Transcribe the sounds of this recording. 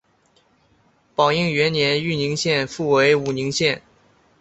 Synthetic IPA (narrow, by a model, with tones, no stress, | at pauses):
pɑ˨˩ʊi˥˩ŋɥɛ˧˥nnjɛ˧˥ny˥˩ni˧˥ŋɕjɛ˥˧nfu˥˩we˧˥ɪu˨˩ni˧˥ŋɕjɛ˥˩n